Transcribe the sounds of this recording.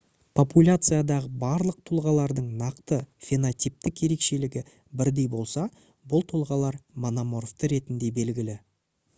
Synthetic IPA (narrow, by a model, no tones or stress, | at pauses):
pʰo̞pulʲat̪sɨjad̪ɑʁəbɑɾlˠəq̚t̪ʰolˠʁɑlˠɑɾd̪əɴnɑqt̪əfʲe̞nat̪ʲijp̚t̪ɪkje̞ɾe̞kʃe̞lɪɡʲɪ | bɪɾd̪e̞jbo̞lˠsɑ | bʊlˠt̪ʰolˠʁɑlˠɑɾmonamo̞ɾoft̪əɾe̞t̪ɪnd̪e̞be̞lɡʲɪlɪ